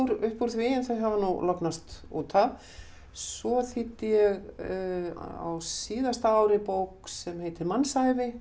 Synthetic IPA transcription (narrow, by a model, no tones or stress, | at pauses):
uɾʏhpuɾ̥θvɪɪnθajɦavanulɔknast̪ṵːt̪ʰav | svɔθit̪ːɪjɛɣ | a̰wsiːðast̪aaːwɾɪpowksɛmheːjt̪ɪɾmanːsajvɪ